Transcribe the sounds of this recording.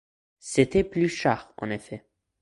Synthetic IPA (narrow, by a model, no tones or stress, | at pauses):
set̪ɛplyʃaʁɑ̰̃nefɛ